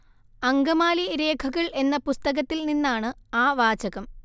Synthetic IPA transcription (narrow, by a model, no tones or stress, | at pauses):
ɐŋɡɐmaːliɾe̞ːkʰɐɣɐɭe̞nːɐpust̪ɐɣɐt̪ːilninːaːɳɨaːʋaːt͡ɕɐɣɐm